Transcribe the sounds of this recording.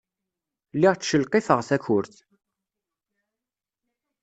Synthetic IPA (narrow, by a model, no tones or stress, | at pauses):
liʁt͡sːʃəlqifəʁθæçʊɾθ